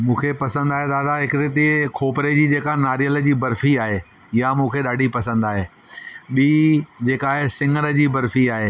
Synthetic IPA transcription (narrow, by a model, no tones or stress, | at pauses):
mũːkʰepɐsə̃nd̪aːɦed̪aːd̪aɦɪkɪɾet̪̬ikʰoːpɾed͡ʑiːd͡ʑeːkanaːɾijəld͡ʑiːbɐɾfiaːɦe | ɪjamũːkʰeɗaːɖʱipɐsə̃nd̪aːɦeː | ɓiːd͡ʑeːkaːɦesɪ̃ŋɡənə̆d͡ʑiːbɐɾfiaːɦeː